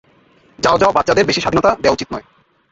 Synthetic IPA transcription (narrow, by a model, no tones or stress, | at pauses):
d͡ʑaod͡ʑawabatːt͡ɕad̪eɾbeʃiʃad̪ʱinot̪ad̪ewaut͡ɕit̪nɔe